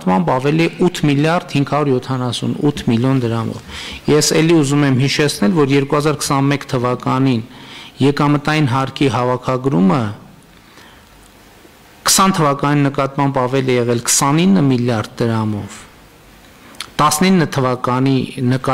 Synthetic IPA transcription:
t̪mɑmbɑvɛliɛut̪ʰmiljɑɾd̪hiŋɡʰhɑɾuɾjɔt̪ʰɑnɑsṵnut̪ʰmiljɔnd̪əɾɑmɔ̰vjɛsɛliuzumɛmɦiʃɛt͡sʰnɛlvɔɾjɛɾkuhɑzɑɾkʰə̥sɑnmɛkt̪ʰəvɑkɑninjɛkɑmət̪ɑjinɦɑɾkʰiɦɑvɑkʰɑɡɾumə | kʰə̥sɑnt̪ʰəvɑkɑninːəkɑt̪mɑmbɑvɛlɛjɛʁɛlkʰə̥sɑninːəmiljɑrd̪̚d̪əɾɑmɔv | t̪ɑsninːət̪ʰəvɑkɑninək

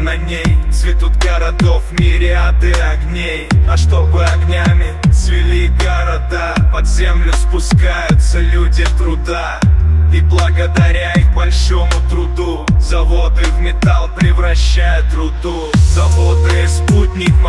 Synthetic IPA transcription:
nɐnʲejt̪svʲɪt̪ut̪̚ɡəɾɐd̪ofmʲiɾʲɪɐd̪ɛɐɡnʲejɐʂt̪o̞bɨɐɡnʲamʲɪt̪svʲɪlʲiɡəɾɐd̪apɐd̪zʲemlʲʊspʊskajʊt̪səlʲudʲɪt̪ɾʊd̪a | iblˠəɡəd̪ɐɾʲaixbɐlʲʂomʊt̪ɾʊd̪uzɐvod̪ɨvmʲɪt̪alˠpɾʲɪvɾɐɕːajʊt̪ɾʊd̪u | zɐvod̪ɨsput̚ʲnʲɪkm

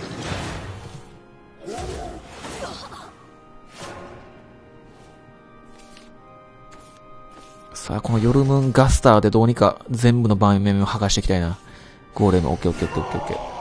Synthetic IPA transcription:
sa̰ːko̞no̞jo̞ɾɯ̟mɯ̟̃ŋɡasɨ̥t̪aːd̪e̞d̪o̞ːɲ̟ika̰zẽ̞mbɯ̟no̞bãmːẽmhaɡaɕi̥t̪e̞kʲi̥t̪aina | ɡ̥o̞ːɾe̞mɯ̰ʔo̰kːe̞okːe̞okːeoke̞okːe̞̰

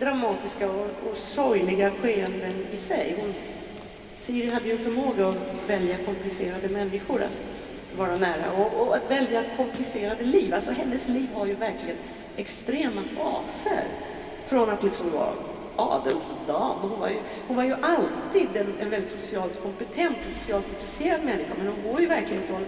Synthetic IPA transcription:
d̪̥ɾamɑːt̪ɪskaɔɔsɔjlɪɡaɧeːənd̪ənɪsɛjhʊn | siːɾɪɦad̪ːəjɵnfœɾmoːɡaɔvɛljakʰɔmplɪseːɾad̪əmɛnːɪɧʊɾa̰t̪ | vɑːɾanæːɾa̰ɔʔɔat̪vɛljakʰɔmplɪseːɾad̪əliːvalsɔɦɛnːəsliːvhaɾjɵvæɾklɪɡən | ɛkst̪ɾeːmafɑ̰ːsə̰ɾ | fɾɔnat̪lɪksa̰ | ʔɑ̰ːd̪əlsd̪ɑːmɔhʊnva̰ɾjɵ | hʊnvaɾjɵʔalt̪iːd̪ɛnɛnvɛlːɪt̪sʊsɪɑːlt̪kʰɔmpɛt̪ʰɛnt̪ɛnsʊ̥sɪɑːlt̪ɪnt̪ɾɛseːɾad̪mɛnːɪɧa̰mɛnhʊnɡoːɾjɵvæɾklɪɡənfɾɔn

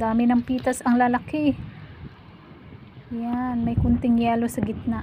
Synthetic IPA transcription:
d̪aːmɪnɐŋpiːt̪ɐsɐŋlɐlakɪ | janmɐjkʊnt̪ɪŋjɛːlosɐɡɪt̪̚na

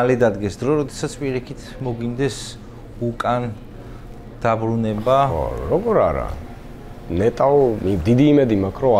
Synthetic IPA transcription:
alɛd̪ad̪ɡɛsd̪ɾɔɾɔd̪ɛsat̪sʰpʼiɾikʰit̪ʰmɔɡwind̪ɛs | ukʼan | d̪̥abɾunɛba̰ɾɔɡɔɾaɾa̰ | nɛt̪ʼaɔid̪id̪iːmɛd̪imakʰɾɔ

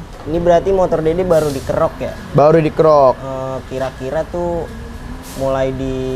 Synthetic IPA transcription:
inibəɾart̪imot̪ɔrdedebaɾudikəɾɔkja | baɾudikəɾɔkəkiɾakiɾat̪u | mulajdi

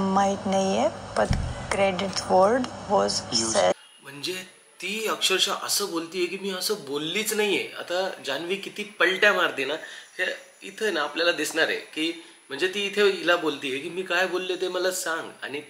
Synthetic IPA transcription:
mait̪najebəʈkɾeɖiʈʋəɾɖʋɔzs | m̤əɳd͡ze | t̪iːəkʂəɾɕaʔə̰səːbolt̪iːjekiːmiːəsəːbolːiːt͡snaɦiḛa̰t̪ad͡ʑanʋiːkit̪iːpəɭʈjamaɾt̪iːnahe | ḭt̪ʰəjnaːpljalad̪isɳaɾḛkiː | m̤əɳd͡zet̪iːt̪ʰeilabolt̪iːekiːmiːkajbolːet̪eməlasãŋɡa̰ñi

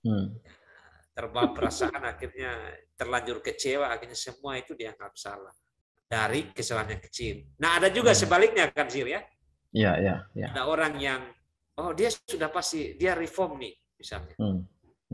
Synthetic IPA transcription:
ja | t̪ərbampəɾasaʔanakirɲat̪ərlaɲd͡ʒʊrkət͡ʃelaːkirɲasəmuait̪udiaŋaksa̰la | daɾikəsəlaɲakə̥t͡ʃɪlnaɦadad͡ʒuɡasəbalɪk̚ɲakansɪlja | iajaa̰adaoɾaŋjaŋ | odiassudahpast̪idiaɾifɔrmnɪh | misa̰lɲa

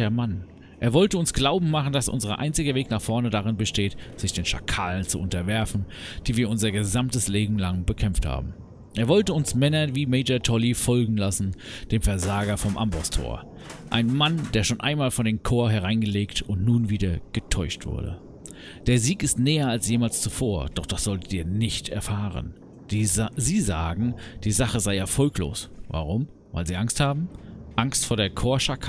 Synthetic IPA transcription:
ɐman | ʔeːɐvɔltəʊnsɡ̥laʊbm̩maχn̩dasʔʊ̰nzəʁɐ̰ʔa̰ɪnt͡sɪɡəveːknaːχfɔɐnədaʁɪnbəʃteːtz̥ɪçd̥eːnʃa̰kʰaːlənt͡suʔʊntɐvɛɐfn̩ | d̥iːviːɐʊnzɐɡəzamtəsleːbm̩laŋbəkʰɛmftha̰ːb̚m̩ | ʔeːɐvɔltəʊnsmɛnɐviːmeɪd͡ʒɐtʰɔlifɔlɡŋ̩lasn̩d̥eːmfɛɐzaːɡɐfɔmʔa̰mbɔstʰo̰ːɐ | ʔaɪnmandeːɐʃoːnʔa̰ɪnmaːlfɔndeːmkʰoːɐɦɛʁaɪnɡəleːktʊntnuːnviːdɐɡ̥ətʰɔʏʃtv̥ʊ̰ɐdə̰ | d̥eːɐziːkɪstnɛːɐalsjeːmaːlst͡sufoːɐd̥ɔχd̥asz̥ɔlttiːɐnɪçtɛ̰ɐfaːʁ̞ə̰n̥ | ziːzaːɡŋ̩d̥iːzaχəzaɪɛɐfɔlklo̰ːsva̰ʁʊm | va̰ɪlziːʔaŋsthaːbm̩ʔaŋstfoːɐɾdeːɐkʰoːɐʃakə

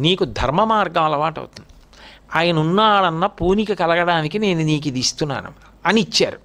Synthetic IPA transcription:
niːkud̪ʱɐɾmɐmaːɾɡɐmɐlɐʋaːʈɐ̰wt̪und̪i | aːjɐnɐunːaːɽɐnːɐpuːnikɐkɐlɐɡɐɽaːnikine̞ːnuniːk̬id̪ist̪unːa̰ːnṵmɐ | ɐniit͡ʃːa̰ːɾu

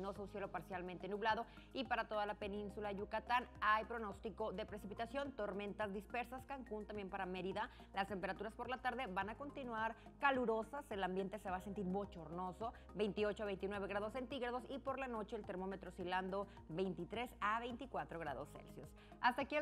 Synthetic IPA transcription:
nosunsje̞lo̞paɾsjalmẽnt̪enuβlað̞o̞ | ipaɾat̪o̞ð̞alape̞nĩnsulaʝukat̪anajpɾo̞no̞st̪iko̞ðe̞pɾe̞sipit̪asjo̞nt̪o̞ɾme̞nt̪azðispe̞ɾsaskaŋkunt̪ambje̞mpaɾameɾiða | last̪empe̞ɾat̪uɾaspo̞ɾlat̪aɾðe̞βanako̞nt̪inwaɾ | kaluɾo̞sase̞lambje̞nt̪ese̞βaːse̞nt̪iɾβo̞t͡ʃo̞ɾno̞so̞ | βe̞jnt̪io̞t͡ʃoaβe̞jnt̪̬inweβe̞ɣɾaðo̞sːe̞nt̪iɣɾað̞o̞sipo̞ɾlano̞t͡ʃe̞ːlt̪e̞ɾmo̞me̞t̪ɾo̞siland̪o̞ | βe̞jnt̪it̪ɾe̞saβe̞jnt̪ikwat̪ɾo̞ɣ̞ɾa̰ðo̞̰sːḛlsjos | ast̪akie

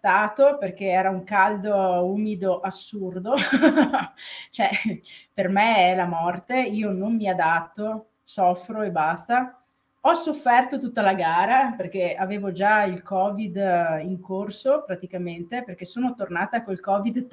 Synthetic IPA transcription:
st̪aːt̪operk̟eɛːɾauŋkald̪ouːmid̪oʔasːurd̪o | t͡ʃoɛpermeɛlamɔrt̪eiːonommiad̪at̪ːo | sɔfːɾoebːast̪a | ɔsːofːɛrt̪ot̪ut̪ːalaɡaːɾaperk̟eaveːvod͡ʒailkɔːvid̪iŋkorsopɾat̪ikament̪eperk̟esoːnot̪ornaːt̪akoilkɔːvid̪

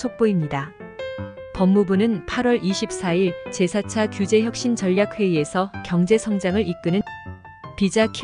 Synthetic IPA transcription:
ok̚p͈oimɲida | pʌmːubunɯnpʰaɾwʌɾʔiɕʰip̚s͈aiɭt͡ɕe̞sʰat͡ɕʰakjud͡ʑe̞çjʌk̚ɕ͈int͡ɕʌʎːak̚ʰwe̞ie̞sʰʌkjʌŋd͡ʑe̞sʰʌŋd͡ʑaŋɯɾik̚k͈ɯnɯn | pid͡ʑakʰ

